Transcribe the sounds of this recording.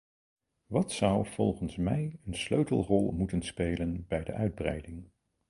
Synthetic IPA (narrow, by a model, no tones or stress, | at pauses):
ʋɑtsʌwv̥ɔlˠχənsmɛjənsløɥtəl̩ˠrɔlˠmutənspejlənbɛjdə̰ʔœɥd̚brɛ̰jdɪŋ